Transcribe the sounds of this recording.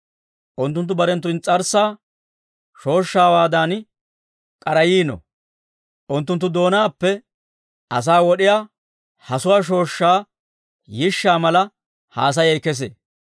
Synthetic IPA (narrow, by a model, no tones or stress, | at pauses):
ʔʊnt̪ːʊnt̪̬ːʊbɐɾɛnt̪ːʊnt͡sʼɐɾsaː | ʃo̞ːʃːaːwaːd̪ɐn | kʼɐɾɐjiːnɔ̰ | ʔʊnt̪ːʊnt̪ːʊd̪o̞ːnaːpːɛ | ʔɐs̬aːwɔɗɪjaː | hɐsʊwaːʃ̬o̞ːʃːaː | jɪʃːaːmɐlɐ | ha̰ːs̬ɐjɛjkɛs̬ḛː